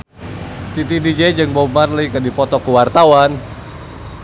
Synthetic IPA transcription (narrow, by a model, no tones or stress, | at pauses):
t̪it̪idid͡ʒed͡ʒəŋbomarlikədipɔt̪ɔkəwart̪awan